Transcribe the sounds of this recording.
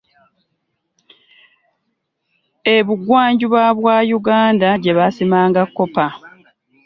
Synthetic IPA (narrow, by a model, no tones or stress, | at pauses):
e̞βuɡwaːɲɟiβaβwaːjuɡaːndaɟe̞βasimaːŋɡakːo̞pa